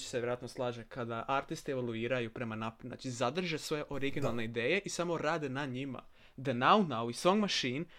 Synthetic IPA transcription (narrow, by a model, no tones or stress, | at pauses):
t͡ʃseʋʲeɾoat̪noslˠaːʒekʰad̪aʔaɾt̪ist̪ieʋoluiːɾajupɾe̞manapna̰ːt͡ʃizad̪r̩ʒesʋojeʔo̞ɾiɡinalˠne̞id̪eːjeʔisamo̞ɾaːd̪enaɲima̰ | d̪enawnawiso̞ŋɡmaʃin